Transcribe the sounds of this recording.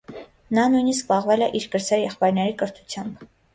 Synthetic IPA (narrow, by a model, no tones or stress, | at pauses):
nɑnujnisk̚pɑʁvɛlɛʔiɾkəɾzɛɾjɛχpɑjɾnɛɾikəɾt̪ʰu̥t͡sʰjɑmb